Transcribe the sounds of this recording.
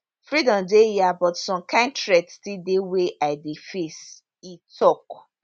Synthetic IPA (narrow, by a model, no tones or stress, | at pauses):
fɹidɔ̃mdejabɔtsɔ̃mkãɪ̃ntɾɛdstideweʔaɪdefes | itʰɔk